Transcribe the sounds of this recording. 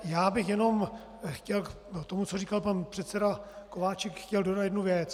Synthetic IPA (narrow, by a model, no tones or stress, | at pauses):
jaːbɪxjɛno̞m | xcɛl | t̪omut͡soriːkalpanpr̥ɛt̪sɛdakovaːt͡ʃɛkxcɛldo̞dat̪jɛdnuvjɛt͡s